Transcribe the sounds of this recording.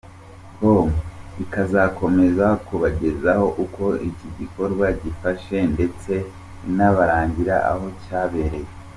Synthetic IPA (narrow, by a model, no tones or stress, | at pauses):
bomikazako̞me̞zakuβaɟe̞zaho̞ʔuko̞iciɟiko̞ɾɡwaɟifaʃe̞nde̞t͡se̞ | naβaɾaːɲɟiɾa̰ʔa̰ho̞caːβeɾe